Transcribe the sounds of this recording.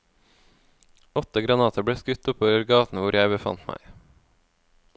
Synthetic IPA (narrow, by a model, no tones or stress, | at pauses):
ɔt̪əɡɾɑnɑːt̪ʰəbɽeːskʉt̪ʊpɔːʋəɾɡɑːt̪n̩ʋʊɾjæɪbəfɑ̰nt̪mæ̰ɪ